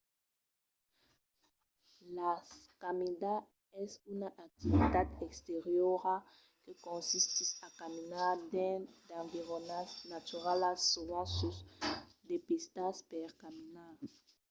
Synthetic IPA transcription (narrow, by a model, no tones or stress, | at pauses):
la | kamid̪a | ɛsunaʔak̚t̪ivit̪ad̪ɛkst̪eʁjoʁa | kekɔ̃nsist̪isakaminaʁd̪ɛ̃d̪ãviʁonasnat̪yʁalasuvãsusd̪epist̪aspɛʁkaminaʁ